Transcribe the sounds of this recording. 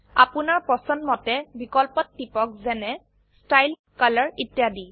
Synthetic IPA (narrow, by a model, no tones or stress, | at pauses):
apʊnaɹpɔsɔnmɔtɛbikɔlpɔtːipɔk̚zɛnɛ | stajl | kalɔɹitjadi